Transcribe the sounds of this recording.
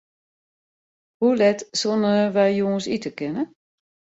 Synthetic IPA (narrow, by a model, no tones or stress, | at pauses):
hulɛtsonəʋɛjjoːəsitəkɪnə